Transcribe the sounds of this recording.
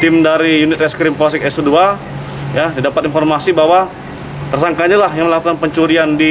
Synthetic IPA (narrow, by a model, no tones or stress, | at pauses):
t̪ɪmdaɾijunɪt̪ɛskɾɪmpsɪkɛsudua | jadidapat̪infɔrmasibawa | t̪ərsaŋkaɲalahjaŋməlakukanpəɲt͡ʃuɾiandi